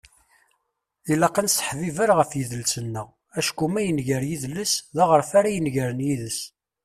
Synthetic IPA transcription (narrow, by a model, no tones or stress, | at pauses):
ilɑqɑnsə̥ħvivəɾʁəfjəðəlsənːəʁ | æʃkumæjənʝəɾjiðləsðæʁəɾfaɾæjənʝəɾənjiðəs